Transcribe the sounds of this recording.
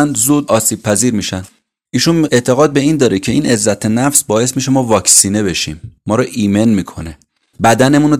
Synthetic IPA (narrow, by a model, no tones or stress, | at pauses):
nd̪zuːd̪ɒːsiːb̥̚pʰæziːɾmiːʃæn | iːʃune̞t̪ʰe̞ɣɒːd̪̚be̞iːnd̪ɒːɾicʰe̞iːne̞zːæt̪ʰe̞næfsbɒːje̞s̬miːʃ̬e̞mɒːvɒːcsiːne̞be̞ʃḭːmːɒːɾɒːʔiːme̞nmiːkʰo̞ne̞ | bæd̪æne̞muno